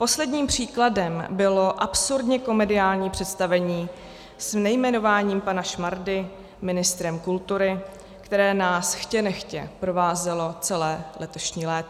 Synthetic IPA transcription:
po̞slɛdɲiːmpr̝̥iːkladɛmbɪlo̞ʔapsuɾdɲɛko̞mɛdɪaːlɲiːpr̝̥ɛt̪st̪avɛɲiː | snɛjmɛno̞vaːɲiːmpanaʃmaɾdɪ | mɪnɪst̪ɾɛmkult̪uɾɪ | kt̪ɛɾɛːnaːsxcɛnɛxcɛpɾo̞vaːzɛlo̞t͡sɛlɛːlɛt̪o̞ʃɲiːlɛːt̪

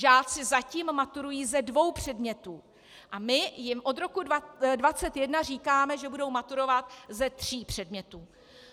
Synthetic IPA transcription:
ʒaːt͡sɪzaciːmːat̪uɾujiːzɛdvo̞wpr̝̥ɛdmɲɛt̪uː | ʔamɪjɪmʔo̞d̪ɾo̞kuadvat͡sɛt̪jɛdnar̝iːkaːmɛʒɛbudo̞wmat̪uɾo̞vat̪zɛt̪r̝̥iːpr̝̥ɛdmɲɛt̪uː

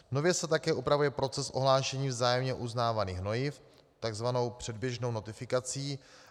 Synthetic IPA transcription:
no̞vjɛsɛt̪akɛːʔupɾavujɛpɾo̞t͡sɛsʔo̞ɦlaːʃɛɲiːvzaːjɛmɲɛʔuznaːvaniːxno̞jɪf | t̪aɡzvano̞wpr̝̥ɛdbjɛʒno̞wno̞t̪ɪfɪkat͡siː

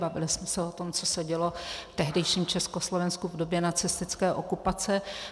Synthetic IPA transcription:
bavɪ̰lɪsmɛsɛot̪o̞mt͡so̞sɛɟɛlo̞ft̪ɛɦdɛjʃiːmt͡ʃɛskoslovɛnskuvdo̞bjɛnat͡sɪst̪ɪt͡skɛːʔo̞kupat͡sɛ

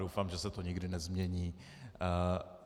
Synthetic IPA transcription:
dowfaːmʒɛsɛt̪oɲɪɡdɪnɛzmɲɛɲiː

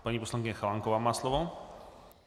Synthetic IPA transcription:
paɲipɔswaŋkʲiɲaxawaŋkɔvamaslɔvɔ

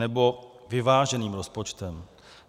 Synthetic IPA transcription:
ɛbo̞ | vɪvaːʒɛniːmɾospot͡ʃt̪ɛm

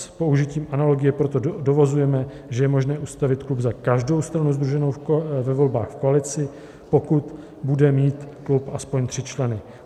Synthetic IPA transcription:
spo̞uʒɪciːmʔanalo̞ɡɪjɛpɾo̞t̪o̞do̞vazujɛmɛ | ʒɛjɛmo̞ʒnɛːʔust̪avɪt̪klubzakaʒdo̞wst̪ɾanuzd̪ɾuʒɛnowvɛvo̞lba̰ːxfkoalɪt͡sɪ | po̞kut̪ | budɛmiːt̪klupʔaspo̞ɲt̪r̥ɪt͡ʃlɛnɪ

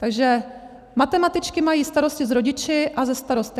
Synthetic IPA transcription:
t̪aɡʒɛ | mat̪ɛmat̪ɪt͡ʃkɪmajiːst̪aɾo̞scɪzɾoɟɪt͡ʃɪʔazɛst̪aɾost̪ɪ

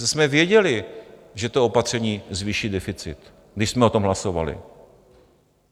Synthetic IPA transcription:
smɛvjɛɟɛlɪʒɛt̪oopat̪r̥ɛɲiːzviʃiːdɛfɪt͡sɪt̪ | ɡdɪʃsmɛo̞t̪o̞mɦlaso̞va̰lɪ̰

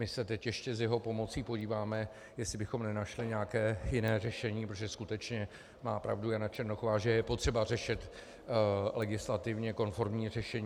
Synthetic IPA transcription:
mɪsɛt̪ɛcjɛʃcɛzjɛɦo̞po̞mo̞t͡siːpoɟiːvaːmɛ | jɛslɪbɪxo̞mnɛnaʃlɪɲɛakɛːjɪnɛːrɛʃɛɲiːpɾot̪oʒɛskut̪ɛt͡ʃɲɛ | maːpɾa̰vdujanat͡ʃɛɾnoxovaːʒɛjɛpo̞t̪r̥ɛbar̝ɛʃɪt̪ | lɛɡɪslat̪ɪvɲɛko̞nfo̞ɾmɲiːrɛʃɛɲː

